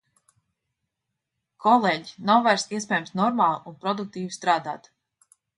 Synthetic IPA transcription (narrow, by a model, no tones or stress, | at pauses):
kʰɔlˠeːɟinawvaɾst̪iɛs̬pʲɛːjamsnɔɾmaːlˠunpɾɔd̪uk̚t̪iːvist̪ɾaːd̪a̰ːt̪